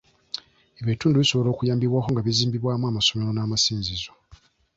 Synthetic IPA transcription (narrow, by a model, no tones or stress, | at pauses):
eβetuːnduβiso̞βolo̞ːkujaːmbiβwaːkoŋɡaβiziːmbiβwaːmuamaso̞me̞ɾonaːmasiːnzizo